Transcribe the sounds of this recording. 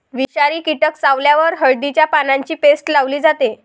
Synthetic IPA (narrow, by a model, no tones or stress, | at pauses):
ʋiɕaɾiːkiʈəksaʋljaʋəɾɦəɭd̪it͡ɕjapanãɲt͡ɕiːpesʈlaʋliːd͡zat̪e